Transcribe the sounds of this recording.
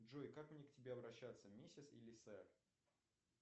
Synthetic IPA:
ʐojkakmnʲektʲɪbʲeɐbɾɐɕːat̪sːəmʲesʲɪt̪sḭlʲɪsɛr

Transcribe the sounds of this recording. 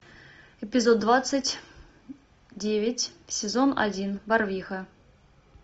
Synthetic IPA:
ɪpʲɪzod̪̚ːvat̪sɨtʲ | dʲevʲɪtʲsʲɪzona̰dʲinbarvʲixə

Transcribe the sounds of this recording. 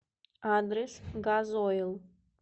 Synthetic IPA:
ad̪ɾɛsɡazojlˠ

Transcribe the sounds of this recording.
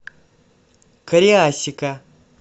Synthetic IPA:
kɐɾiaɕika

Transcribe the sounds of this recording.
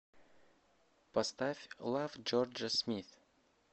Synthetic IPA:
past̪afʲlˠafd͡ʒord͡ʒəsmʲiθ

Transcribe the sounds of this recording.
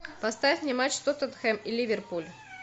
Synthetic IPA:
pɐst̪avʲfʲnʲɪmat͡ɕst̪ot̪ət̪xɛmilʲivʲɪrpulʲ

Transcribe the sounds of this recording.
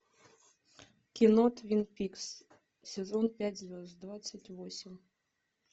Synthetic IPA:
kʲinot̪vʲinpʲiks | sʲezonpʲætʲzvʲesd̪vat̪t͡sːətʲvosʲim

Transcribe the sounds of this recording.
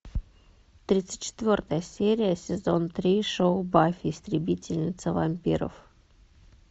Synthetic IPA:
t̪ɾʲit̪sɨ̥t̚ʲt͡ɕːɪ̥t̪vʲo̞rt̪əjəsʲeɾʲɪjəsʲɪzo̞nt̪ɾʲiʂoʊbafʲɪst̪ɾʲɪbʲitʲɪlʲnʲɪt̪səvɐmʲpʲiɾə̰f

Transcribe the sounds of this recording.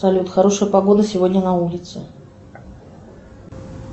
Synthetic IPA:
sɐlʲut̪xaɾoʂəjəpaɡod̪əsʲɪvodʲnʲənɐulʲɪt̪sɨ

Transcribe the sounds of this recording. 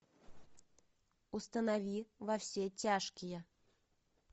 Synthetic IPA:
ʊst̪ənɐvʲivɐfsʲetʲaʂkʲɪjə

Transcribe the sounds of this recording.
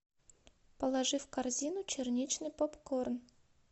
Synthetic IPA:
pəlˠɐʐɨfkarzʲinʊt͡ɕɪrnʲit͡ɕnɨjpopkorn

